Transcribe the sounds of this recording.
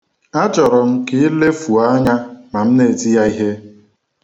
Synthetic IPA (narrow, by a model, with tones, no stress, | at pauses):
a˦t͡ʃɔ˨ɾɔ˨m̩˦ki˦le˦fu˨a˦ɲa˦ma˨m̩˦ne˨ti˦ja˦i˦ɦe˦